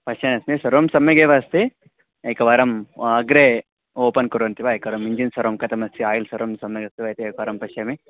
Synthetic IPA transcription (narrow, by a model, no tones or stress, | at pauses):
pɐʃɐnɐsmisɐɾoːmsɐmːeɡeːʋast̪i | ɐjkɐʋɐɾɐmɐɡɾe | oːpɐnkuɾont̪iʋaːjkɐʋɐɾɐmiɲd͡ʒinsɐɾoːmkɐt̪ɐmɐst̪ʰiaːjilsɐɾoːmsɐmːɐɡɐst̪iʋɐjt̪iɐjkɐɐɾɐmpɐʃɐmi